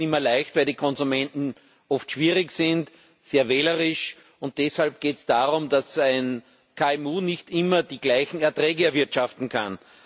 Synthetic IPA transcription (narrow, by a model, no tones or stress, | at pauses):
ɪmɐlaɪçtvæɪldiːkʰɔnzumɛ̃ntn̩ | ɔftʃv̥iːʁɪçsɪ̃nt | seːɐveːləʁɪʃ | ʊnt̚d̥ɛshalp̚ɡ̥eːtsd̥aːʁʊmdasæɪn | kʰaɛmuːnɪçtʔɪmɐd̥iːɡlaɪçn̩ɛɐtʁɛːɡəɛɐvɪɐtʃaftn̩kʰan